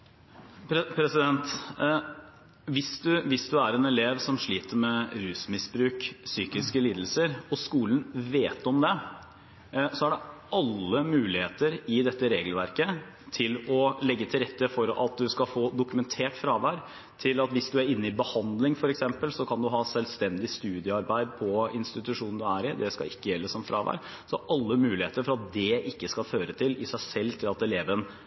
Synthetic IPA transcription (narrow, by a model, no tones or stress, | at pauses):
ppʰɾɛsɪd̪ɛnt̪ | ʋɪsd̪ʉʋɪsd̪ʉæɾɛnɛleːʋsɔmʂɭiːt̪əɾmɛɾʉːsmɪsbɾʉːksyːkɪskəliːd̪l̩səɾɔskuːlən̩ʋeːt̪ɔmd̪ɛ | sɔæɖɛʔɑlːəmʉːlɪheːt̪əɾɪd̪ɛt̪ːəɾeːɡəlʋæɾkə | t̪ʰɪlɔlɛɡːət̪ʰɪlɾɛt̪ːəfɔɾɑ̰t̪̚d̪ʉskɑfoːd̪ʊkʉmɛnt̪ʰeːʈfɾɑːʋæːɾ | t̪ʰɪlɑt̪ʋɪsd̪ʉæɾɪnːəɪbəhɑnd̪lɪŋfɔɾɛksɛmpəlsɔkʰɑnd̪ʉɦɑːsɛlst̪ɛnd̪ɪst̪ʉːd̪jəɑɾbæɪd̪pʰɔɪnst̪ɪt̪ʉʂuːnəd̪ʉæːɾɪd̪ɛskɑ̰ɪkːəjɛlːəsɔmfɾɑ̰ːʋæ̰ːɾ | sɔʔɑlːəmʉːlɪheːt̪əɾfɔɾɑt̪̚d̪ɛʔɪkːəskɑføːɾət̪ʰɪlɪsæɪsɛlːt̪ʰɪlɑt̪ɛleːʋən